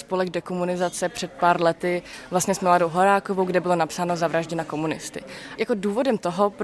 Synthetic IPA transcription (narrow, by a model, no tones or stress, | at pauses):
spolɛɡdɛkomunɪzat͡sɛpr̝̥ɛt̪̚paːɾlɛt̪ɪvlast̪ɲɛsmladowɦoɾaːkovowɡdɛbɪlo̞napsaːnozavɾaʒɟɛnako̞munɪst̪ɪ̰jako̞duːvo̞dɛmt̪oɦop